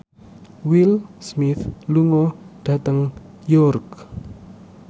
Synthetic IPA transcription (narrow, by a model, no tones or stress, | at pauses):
wilsmɪθluŋɔɖ̥a̤t̪əŋ | jɔrk